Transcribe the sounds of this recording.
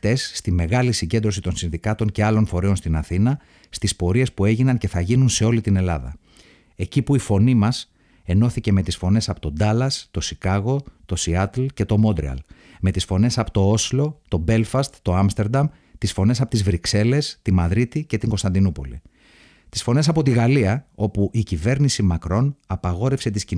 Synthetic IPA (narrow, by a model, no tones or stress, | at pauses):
t̪e̞sːt̪ime̞ɣɐlisiɲɟe̞nd̪ɾosit̪o̞nsinðikɐt̪o̞ɲce̞ɐlo̞nfo̞ɾeo̞nst̪inɐθinɐ | st̪ispo̞ɾie̞spue̞ʝinɐnce̞θɐʝinunse̞o̞lit̪ine̞lɐðɐ̰ | e̞cipuifo̞nimɐs | e̞no̞θice̞me̞t̪isfo̞ne̞sɐpo̞t̪o̞d̪ɐlɐst̪o̞sikɐɣo̞t̪o̞siɐt̪lce̞t̪o̞mo̞nd̪ɾḛɐ̰l | me̞t̪isfo̞ne̞sɐpo̥t̪o̞o̞silo̞t̪o̞be̞lfɐst̪t̪o̞ɐmst̪e̞ɾd̪ɐm | t̪isfo̞ne̞sɐpo̞t̪izvɾikse̞le̞st̪imɐðɾit̪ice̞t̪iŋɡo̞st̪ɐnd̪inupo̞̰lḭ | t̪isfo̞ne̞sɐpo̞t̪iɣɐliɐo̞puʔicive̞ɾnisimɐkɾo̞nɐpɐɣo̞ɾe̞fset̪isci